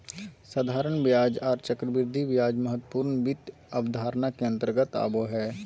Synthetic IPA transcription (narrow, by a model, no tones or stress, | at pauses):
səd̪ʱaːɾəɳbjaːd͡ʒaːɾt͡ʃəkɾəbɪɾd̪ʱiʋjaːd͡ʒməɦət̪ːpuːɾnbɪt̪ | əbd̪ʱaːɾnakeə̃nt̪əɾɡət̪a̰ːboɦɛː